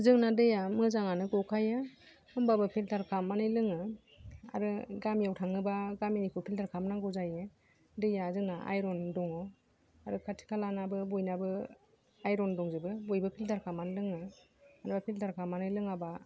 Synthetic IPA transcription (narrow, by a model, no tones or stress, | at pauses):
zɯŋnadɯjamɯzaŋanɯɡɔwkʰajɯ | ɯmbabɯpʰiltʰaɾkʰamːanɯjlɯŋɯ | a̰ɾɯɡamjawtʰaŋɯbaɡaminikʰɯpʰiltaɾkʰamnaŋɡɔzajɯ | dɯjazɯŋnaʔa̰jɾɔndɔŋɔ | aɾɯkʰatʰi̥kʰalanabɯbɔjnabɯ | ajɾɔndɔŋzɯbɯbɔjbɯpʰiltʰaɾkʰamːanɯlɯŋɯ | anbapʰiltʰaɾkʰamːanɯjlɯŋaba